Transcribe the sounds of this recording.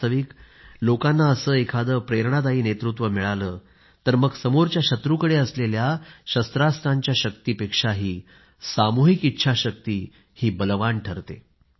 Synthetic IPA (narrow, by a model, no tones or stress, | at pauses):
t̪ʰəʋik | lokanːaəsəːekʰad̪əpɾeɾɳat̪aɦiːnet̪ɾut̪ʋəmiɭaləː | t̪əɾməɡsəmoɾt͡ɕjaɕət̪ɾukəɽeəsleljaɕəst̪ɾast̪ʰaɲt͡ɕjaɕəkt̪iːpekʂaɦiː | samuɦikitːɕʰaɕək̚t̪iː | hiːbəlʋaɳʈʰəɾt̪ḛ